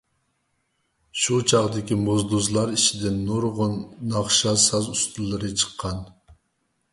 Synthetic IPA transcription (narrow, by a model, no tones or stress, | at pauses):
ʃut͡ʃʰɑʁd̪ɪkʲimozd̪uzlˠɑɾit͡ʃʰid̪ɪnːuɾʁʊnːɑχʃɑsɑzust̪ulˠːɨɾɨt͡ʃʰə̥qʰːɑn